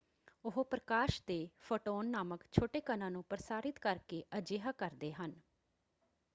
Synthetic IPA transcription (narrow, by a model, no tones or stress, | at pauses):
ʊɦpɾəkaːʃd̪eːfʰoːʈoːnːaːməkt͡ʃʰoːʈeːkənãːnũːpɾəsaːɾɪt̪kəɾkeːʔəd͡ʒeːɦaːkəɾd̪eːɦən